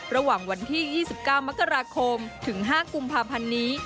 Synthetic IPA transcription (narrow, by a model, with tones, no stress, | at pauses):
ɾa˧waː˨˩ŋwa˧nt̪ʰiː˥˩jiː˥˩si˨˩p̚kaː˥˩wma˦˥kːa˧ɾaː˧kʰo˧mt̪ʰɯ˩˦ŋɦaː˥˩ku˧mpʰaː˧pʰa˧nːiː˦˥